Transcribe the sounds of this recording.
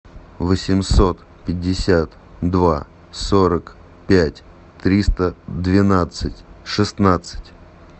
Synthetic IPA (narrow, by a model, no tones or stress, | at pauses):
vəsʲɪmso̞t̪ | pʲɪdʲːɪsʲat̪ | d̪va | soɾək | pʲætʲ | t̪ɾʲist̪əd̪vʲɪnat̪sɨtʲʂɨsnat̪sɨ̥tʲ